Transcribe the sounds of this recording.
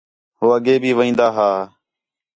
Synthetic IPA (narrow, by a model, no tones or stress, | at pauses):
ɦoːəɠeːbʱiːʋəĩːnd̪aːɦaː